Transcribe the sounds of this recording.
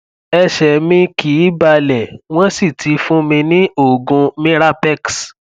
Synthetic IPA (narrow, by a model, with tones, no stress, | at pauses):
ɛ˧ʃɛ˨mĩ˧ki˨˦ba˧lɛ˨w̃ɔ̃˦si˦˨tʰi˨˧˦fũ˦mĩ˧nĩ˦o˦˨ɡũ˧mĩ˦ɾa˦pɛ˦ks